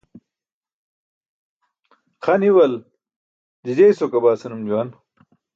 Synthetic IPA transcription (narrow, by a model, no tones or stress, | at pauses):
xaniwɐl | d͡ʑid͡ʑejsokɐbaːsɐnumd͡ʑuwan